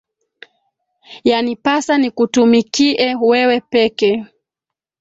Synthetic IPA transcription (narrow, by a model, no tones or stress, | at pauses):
janipasanikutumikiʔɛwɛwɛpɛkɛ